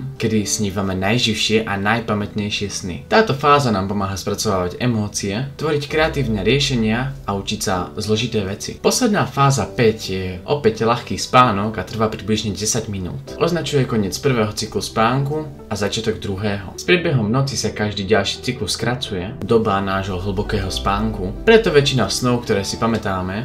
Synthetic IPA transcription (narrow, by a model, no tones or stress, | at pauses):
kɛd̪isɲiːʋamɛnajʒiʊʃɪɛʔanajpamɛt̪ɲɛjʃɪɛsnḭt̪aːt̪ɔfaːzanaːmpɔmaːɦaspɾat͡sɔʋaːʋaɟɛmɔːt͡siɛt̪ʋɔɾickɾɛat̪iːʊnɛɾɪɛʃɛɲɪaaut͡ʃicsazlɔʒit̪ɛːʋɛt͡sḭpɔslɛd̪naːfaːzapɛɟjɛʔɔpɛɟlaxkiːspaːnɔkat̪r̩ʋaːpɾibliʒɲɛɟɛsaɟminṵːt̪ʔɔznat͡ʃujɛkɔɲɪɛt͡spr̩ʋɛːɦɔt͡sikluspaːŋku | azat͡ʃɪat̪ɔɡd̪ɾuɦɛːɦɔ̰spɾɪɛd̪bɛɦɔmnɔt͡sisakaʒd̪iːɟalʃiːt͡sikluskɾat͡sujɛd̪ɔbanaːʒɦɔɦl̩bɔkɛːɦɔspaːŋkupɾɛt̪ɔʋɛt͡ʃinasnɔʊkt̪ɔɾɛːsipamɛt̪aːmɛ